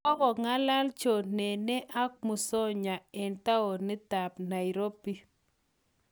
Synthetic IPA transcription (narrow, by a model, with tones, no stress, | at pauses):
ɔ˦kɔ˨ŋa˦la˦lt͡ʃo˨nɛ˨nɛ˦ʔa˦k̚mu˨sɔ˦ɲa˨ɛ˨nta˦o˨nɪ˦ta˨pna˨i˨ɾo˦pi˦